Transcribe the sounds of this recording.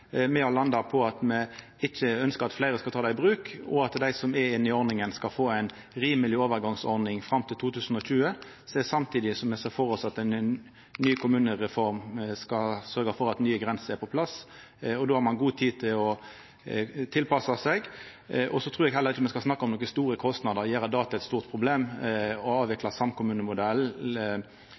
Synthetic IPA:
mɛɑlɑnd̪ɑpʰɔɑt̪mɛ | ɪçːəœnskəʁɑt̪flæɪɾəskɑlt̪ʰɑːd̪æɪbɾʉːkɔ̰ɑt̪d̪æɪsɔmɛɪnːɪɔɾnɪŋənskɑlfoːæɪn | ɾiːməlɪoːʋəɾɡɑŋsɔɾd̪nɪŋfɾɑmt̪ɪlt̪uːt̪ʰʉːsn̩ɔɕʉːə | sɛsɑmt̪ʰiːd̪ɪsɔmɛsɛfɔɾɔsɑt̪ɛɪnn | nːyːkʰʊmʉːnəɾɛfɔɾmskɑsœɾɡəfɔɾɑt̪nyːəɡʁɛnsəʁæɾpɔpʰlɑs | ɔd̪oːhɑʁmɑnɡuːt̪ʰiːd̚t̪ʰɪlɔ | t̪ʰɪlpɑsɑsɛɡ | ʔɔsɔt̪ʰʁʉːɾɛɡɦɛlːəʁɪçːəmɛnskɑlsnɑkːəɔmnɔkəst̪uːɾəkʰɔst̪nɑd̪əʁjeːɾɑd̪ɑːt̪ʰɑɛt̪st̪uːʁt̪̚pʰʁʊbleːmɔɑːʋʋɛklɑsɑmkʰʊmʉːnəmʊd̪ɛl

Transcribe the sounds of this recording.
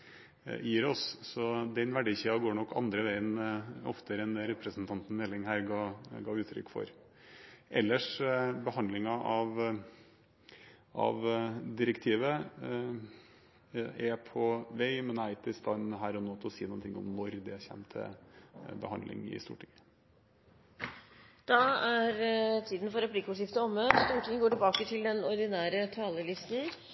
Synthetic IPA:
jiːɾɔssɔd̪ɛnʋæɖiːçiːɑɔɡoːɳɔkːɑ̰nd̪ɾəʋæɪənɔ̰ft̪əɾɛnɾɛpɾəsnt̪ʰɑnt̪n̩mɛlːɪŋɦæːɾɡɑɡɑːʉːt̪ʰɾʏ̰kːfɔ̰ɾ | ʔɛ̰lːəʂbəhɑnd̪lɪŋɑʔɑʋ | ʔɑ̰ʋd̪ɪɾəkt̪ʰiːʋə | ɛpʰɔʋɛɪmɛnæɪt̪ɪst̪ɑnɦæːɾɔnoːt̪ʰɔsiːnʊːnt̪ʰɪŋːɔ̰mnɔɾd̪ɛæɾçɛ̰mt̪ʰə̰bəhɑnd̪lɪ̰ŋɪ̰st̪ṵːʈʰɪŋə | d̪̥ɑæɾt̪ʰiːd̪n̩fɔɾɛpʰlɪkːʊʂjɪft̪əɔmːøːt̪st̪uːʈɪŋəɡoːʈɪlbɑːkət̪ʰɪld̪ɛnɔɾd̪ɪnæːɾət̪ʰɑːləlɪst̪n̩

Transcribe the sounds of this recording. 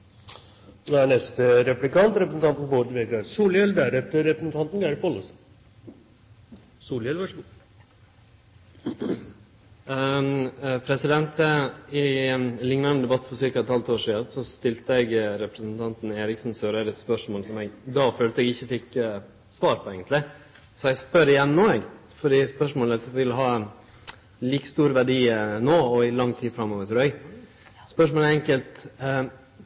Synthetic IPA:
d̪ɛæɳɛst̪əɾɛplɪkɑnt̪ɾɛpɾəsn̩t̪ʰɑnt̪n̩boːd̪əʋeːɡɑɾsuːljɛld̪æɾɛt̪əɾɛpɾəsn̩t̪ʰɑnt̪n̩ɡæɾɪpɔlːəs | suːljɛlʋɑʂ | pʰɾɛsɪd̪ɛnt̪ʰəɪlɪŋnɑnəd̪ɛbɑt̪ːfɔɾsɪɾkɑɛt̪hɑlt̪oːʂiːɑsɔst̪ɪlt̪əɛɡɾɛpɾɛsənt̪ʰɑnt̪n̩eːɾɪksnsøːɾəɾɛt̪spœʂmoːlsɔmɛɡd̪ɑːføːlt̪əɛɡɪçːəfɪk | sʋɑːɾpʰɔɛɡənt̪lɪ | sɔɛɡspœɾɪjɛnːnoːɛɡ | fɔɖiːspœʂmoːlɛsʋɪlɦɑː | liːkə̥st̪uːɾʋæɖiːnoːɔɪlɑŋːt̪ʰiːfɾɑmːoːʋət̪ʰʉːɛɡ | spœʂmoːlɛɾɛŋkəlt̪

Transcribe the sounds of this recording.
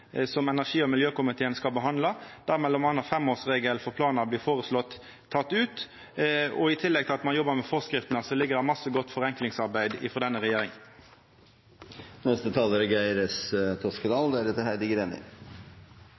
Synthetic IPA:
sɔmɛnæʁʂiːɔmɪljøːkʊmɪt̪ʰeːənskɑlbəɦɑnd̪lɑd̪̥æɾmɛlːɔmɑnɑfɛmoːsʁeːɡəlfɔɾpʰlɑːnɑbliːfoːʁəslɔt̪ʰː | ɑt̪ːʉːt̪ | ɔɪt̪ʰɪlːɛɡt̪ʰɪlɑt̪mɑnjɔbːəɾmɛfɔʁskɾɪft̪ənəsɔlɪɡːəʁd̪ɛmɑsːəɡɔt̪ːfɔɾɛŋklɪŋsɑɾbæɪd̪ɪ̰fɔʁd̪ɛnːəɾɛjeːɾɪŋən | nɛst̪ət̪ʰɑːləɾəɡæɪɾəst̪ʰɔskəd̪ɑːld̪ɛæɾɛt̪əhæɪd̪ɪɡəɾeːnɪ̰ŋ

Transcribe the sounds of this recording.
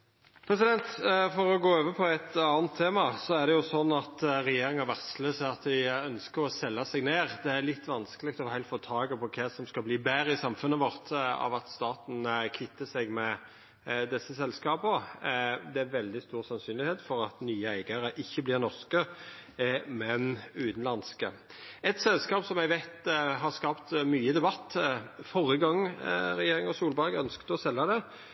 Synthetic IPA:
pʰɾɛsɪd̪ɛnt̪fɔɾɔɡoːøːʋəpʰɔɛt̪ɑːnt̪ʰːeːmɑsɔæʁd̪ɛjʊsɔnːɑt̪ɾɛjeːɾɪŋɑʋæʁsløːsəɑt̪ʋ̪ɪœnskəɾɔsɛlːɑsɛɡneːʁd̪ɛæɾlɪt̪ːʋɑnskəlɪɡt̪ɔfhæɪlt̪foːt̪ʰɑːɡəpʰɔkʰɛsɔmskɑbliːbæɾəɪsɑmfʉnːəʋɔʁt̪ɑ̰ʋɑt̪st̪ɑːt̪n̩kʰɪt̪ːəsɛɡmɛ | d̪ɛsːəsɛlskɑːbə | d̪ɛæɾʋɛld̪ɪst̪uːʁsɑnsyːnlɪheːt̪fɔɾɑt̪nyːəæɪɡɑɾəʔɪçːəblɪʁnɔɾskə | mɛnʉːt̪n̩lɑnskə | ɛt̪sɛlskɑːpsɔmæɡʋæɪt̪ɦɑʁskɑːpt̪myːəd̪ɛbɑt̪ːfɔʁəɡɑŋːɾɛjeːʁɪŋɔsuːlbɑɡœnskt̪ɔsɛlːɑd̪ɛ

